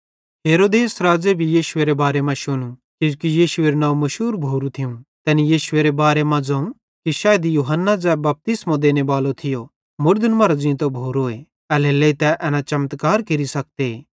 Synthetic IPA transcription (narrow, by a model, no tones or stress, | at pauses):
ɦeːɾoːd̪eːsɾaːd͡ʒebʱijiːʃʊeɾebaːɾemãʃʊñukikijiːʃʊeːɾnãːũmɐʃuːɾbʱoːɾũt̪ʰɪũt̪ɛːnijiːʃʊeːɾebaːɾemãd͡zaːũ | kiʃaːjd̪ijuːɦənːad͡zɛːbɐp̚t̪ɪsmõd̪eːnebaːlot̪ʰɪjo | mʊɾd̪ənmɐɾod͡ʒĩt̪obʱoːɾoːe | ɛːleːleit̪ɛʔɛːnat͡ʃɐmt̪kaːɾkeɾisɐk̚t̪eː